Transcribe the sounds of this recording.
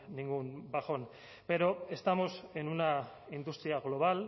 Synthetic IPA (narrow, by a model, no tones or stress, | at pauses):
niŋɡunbaxo̞n | be̞ɾo̞e̞st̪amo̞se̞nuna | ind̪ust̪ɾiaɣlo̞β̞al